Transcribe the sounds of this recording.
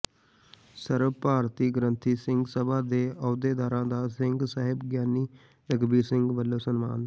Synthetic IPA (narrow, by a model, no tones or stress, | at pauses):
səɾʋpaːɾt̪iːɡəɾənt̪ʰiːsɪŋɡsəbaːd̪eːɔːd̪eːd̪aːɾãːd̪aːsɪŋɡsaːɦɪbɡjaːniː | ɾəɡbiːsɪŋɡʋəlːoːsənma̰ːn